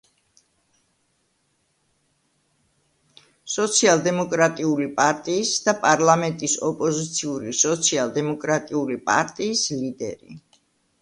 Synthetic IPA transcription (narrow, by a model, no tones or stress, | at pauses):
sɔt̪sʰialˠd̪ɛmɔkʼɾat̪ʼiulipʼaɾt̪ʼiːsd̪apʼaɾlamɛnt̪ʼisɔpʼɔzit̪sʰiuɾisɔt̪sʰialˠd̪ɛmɔkʼɾat̪ʼiulipʼa̰ɾt̪ʼiːslid̪ɛ̰ɾḭ